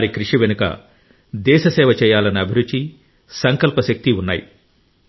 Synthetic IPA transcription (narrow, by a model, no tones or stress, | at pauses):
ɾikɾiʂiʋenukɐ̰ | d̪ɛːʃɐsɛːʋɐt͡ʃɛːjaːlɐniɐbʱiɾut͡ʃːi | sɐŋkɐlpɐʃɐk̚t̪iunːa̰ːjḭ